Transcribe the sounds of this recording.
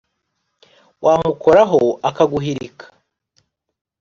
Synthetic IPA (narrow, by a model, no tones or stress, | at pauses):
wʔaːmukʰo̞ɾaɦoakaɡuɦiɾikʰḁ